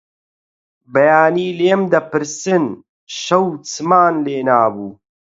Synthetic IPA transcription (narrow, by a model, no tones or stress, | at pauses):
bɐjaːniːleːmd̪ɐpɨɾsɨn | ʃɐwt͡sʰɨmaːnleːnaːbuː